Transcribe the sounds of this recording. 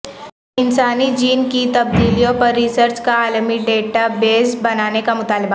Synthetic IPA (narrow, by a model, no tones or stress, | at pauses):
ɪnsaːnid͡ʒiːnkit̪ɐb̚d̪iːlijõpɐɾːisəɾt͡ʃkaaːlmiɖeːʈabeːzbɐnaːnekamʊt̪aːlba